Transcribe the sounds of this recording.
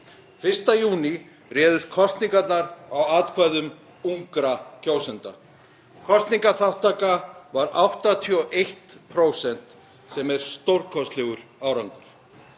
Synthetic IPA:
fɪr̥st̪ajuːni | rɛːðʏst̪kʰɔst̪niŋkat̪naɾawaːt̪kʰvajðʏm | uŋkɾacoːwsɛnt̪a̰ | kʰɔst̪niŋkaθawht̪aːkavaɾawht̪at̪ʰɔʔejht̪pʰɾoːwsɛn̥t̪ | sɛmɛɾ̥st̪owɾkʰɔst̪lɛːɣʏɾ̥aːwɾaŋkʏ̥

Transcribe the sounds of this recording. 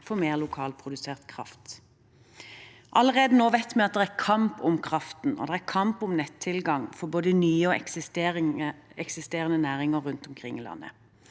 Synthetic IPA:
fɔmeːʁlʊkʰɑːlpʰʁʊd̪ʉseːʁt̪kʰʁɑ̰ft̪ | ʔɑlːəʁeːd̪ənoːʋɛt̪ːmɛɑt̪̚d̪ɛæʁkʰɑmpɔmkʰʁɑft̪n̩ʔɔ̰d̪ɛæʁkʰɑmpɔmnɛt̪ʰːɪlɡɑŋfɔboːd̪ənyːəɔ | ɛksɪst̪eːʁənənæːʁɪŋəːʉnt̪ɔmkʰʁɪ̰ŋːiːlɑ̰nːə̰

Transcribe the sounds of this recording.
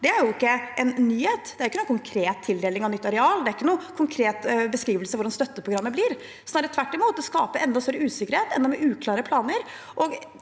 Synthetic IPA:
d̪ɛæɾjʊɪkːəɛnnyːheːt̪d̪ɛæɾɪkːənuːkʰʊŋkʰɾeːt̪ʰːɪld̪eːlɪŋɑʋnʏt̪ːɑɾɛɑːld̪ɛæɾɪkːənuːkʰʊŋkʰɾeːt̪bəskɾiːʋəlsəʋʊɾɖɑnst̪œt̪ːəpʰɾʊɡɾɑmːəbliːɾ | sɔnɑːɾət̪ʰʋæʈːɪmuːt̪̚d̪ɛskɑːpəɾʔɛnd̪ɑst̪œɾəʉːsɪkːəɾheːt̪ɛnd̪ɔmɛʔʉːkʰlɑːɾəpʰlɑːnəɾ | ʔɔɡ

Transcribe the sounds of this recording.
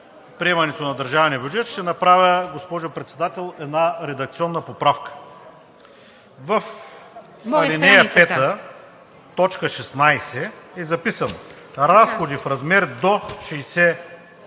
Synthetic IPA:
pɾiɛmɐnɛt̪onɐd̪ɐɾʒavnijəbʲjud͡ʒɛt̪ʃt̪ɛnɐpɾavʲəɡospɔʒʊpɾɛt̪sɛd̪at̪ɛlˠɛd̪naɾɛd̪ɐk̚t̪siɔnːəpopɾafkə̥ | vɐf | ɐɾinɛjəpɛt̪ə | t̪ɔt͡ʃkəʃɛsnajsɛɛzɐpisəno | ɾasxod̪ifɾɐzmɛɾd̪oʃijsɛ

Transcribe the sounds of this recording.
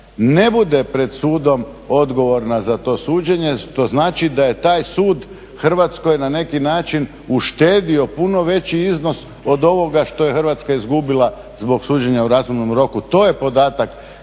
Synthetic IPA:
ne̞bud̪e̞pɾe̞d̪suːd̪o̞m | o̞d̪ɡo̞ʋo̞ɾnazat̪o̞ːsuːd͡ʑeɲe̞ʃt̪o̞znaːt͡ʃid̪ajet̪aːjsuːd̪ | xr̩ʋat̪skojnane̞kinaːt͡ʃin | uʃt̪e̞ːd̪io̞puno̞ʋe̞t͡ɕiizno̞s | o̞d̪o̞ʋo̞ɡaʃt̪o̞jexr̩ʋat̪skaizɡubilˠa | zbo̞ɡsuːd͡ʑeɲauɾazumnomɾo̞kut̪o̞ːje̞po̞d̪aːt̪ak

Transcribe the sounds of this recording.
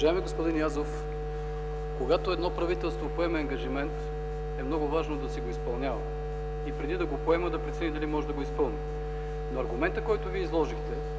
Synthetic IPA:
ʒaɛmiɡospʊd̪injazof | koɡat̪oɛd̪nɔpɾɐvit̪ɛlˠst̪vopoɛmɛɐŋɡɐʒimɛnt̪ | ɛmnɔɡʊvaʒnod̪ɐsɛɡoispɐlˠnʲavə | ipɾɛd̪id̪ɐɡopoɛməd̪ɐpɾɛt̪sɛnʲid̪ɐlimɔʒɛd̪ɐɡoispɤlˠni | noɐɾɡʊmɛnt̪əkɔjt̪ʊviɛizlˠɔʒixt̪ɛ

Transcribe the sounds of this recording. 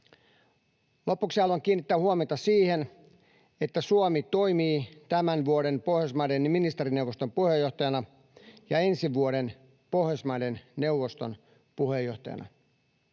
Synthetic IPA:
lo̞puksiɑloɑŋk̟iːnːit̪ːæːhuomet̪ɑsiːhen | e̞t̪ːæsuomit̪o̞imiːt̪æmænʋuoɾe̞npohjosmɑdenminist̪eɾine̞uwʋost̪ompuhejo̞ht̪ɑjɑnɑ | jɑe̞nsiʋuoɾen | po̞hjosmɑdenne̞wʋːost̪on | puhejːoht̪ɑjɑ̰nɑ̰

